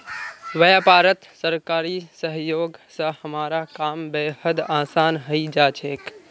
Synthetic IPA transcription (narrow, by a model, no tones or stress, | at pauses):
ʋəjapaːɾət̪səɾkaːɾisəɦjoːɡsə̃həmaːɾakaːmbeːhəd̪aːsaːnɦəid͡ʒaːt͡ʃʰeːk